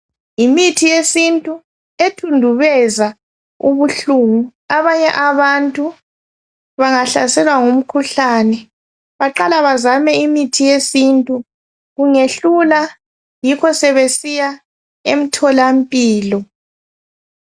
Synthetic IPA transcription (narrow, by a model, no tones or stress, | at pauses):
imitʰijesintʼu | etʰundʱuβɛza | ṵβuɬuŋuaβaɲɛʔaβantʼu | βaŋaɬasɛlwaŋum̩kʰuɬanɛ | βaǃalaβazamɛimitʰijesintʼu | ɣuŋeɬula | jikʰɔsɛβesija | em̩tʰɔlam̩pʼiːlɔ